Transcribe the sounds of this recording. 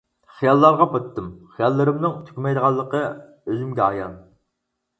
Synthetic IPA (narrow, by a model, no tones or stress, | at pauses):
χijɑlˠːɑɾʁɑpʰot̪ʰːɨmχijɑlˠːɨɾɨmnɨŋt̪ʰy̥kʲmɛjd̪əʁɑlˠːəqʰə | øzymɡʲɛɑjɑn